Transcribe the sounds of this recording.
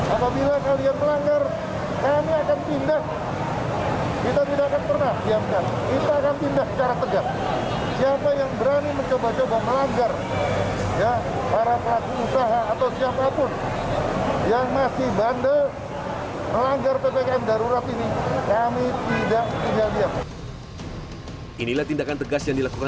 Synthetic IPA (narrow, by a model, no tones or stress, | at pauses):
apabilakalianməlaŋɡar | kamiakant̪indak | kit̪at̪idaʔakanpərnahdiamkankit̪aːkant̪indaksə̥t͡ʃaɾat̪əɡaŋ | siapajaŋbəɾaniməɲt͡ʃobat͡ʃobaməlaŋɡar | jahaɾapəlakuusaɦaːt̪awsiapapʊn | jaŋmasɪhbandə | məlaŋɡarpepekaɛmdaɾuɾat̪inikamit̪idaʔt̪iŋɡaldiaŋ | ʔinilaht̪indakant̪əɡasjaŋdilakuka